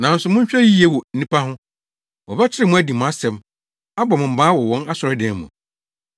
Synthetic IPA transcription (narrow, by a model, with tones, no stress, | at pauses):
nã˨n̩˦sʊ˨mʊ̃˦ɲ˦ɕᶣɛ˦ji˦e˦wɔ˨n̩˦nĩ˦pʰa˦ɦʊ̃˦ | wɔ˨bɛ˦t͡ɕʰɪ˦ɪ˦mʊ̃˦æ˦di˨mʊ̃˨a˦sɛ̃˨m | a˦bɔ˨mʊ̃˨m̩˨mãː˦wɔ˨wɔ̃˦na˦sʊ˨ɾɔ˦dɛ̃˨˦mʊ̰̃˨